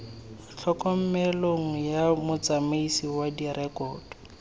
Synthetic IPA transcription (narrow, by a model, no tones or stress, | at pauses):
m̩t͡ɬʰɔkɔm̩mɛloŋ̩jamʊt͡samaisiwadirɛkʼɔːd̥ɔ